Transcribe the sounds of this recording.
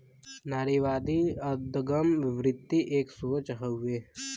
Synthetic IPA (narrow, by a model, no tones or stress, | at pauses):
naːɾiʋaːd̪iɐd̪əɡəmʋɪʋɾɪt̪ːiʔeːksut͡ʃɦəueː